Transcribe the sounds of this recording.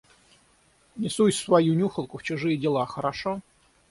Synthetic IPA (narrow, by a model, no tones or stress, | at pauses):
nʲɪsujʲsvɐjunʲuxəlˠkʊft͡ɕʊʐɨjədʲɪlˠaxəɾaʂo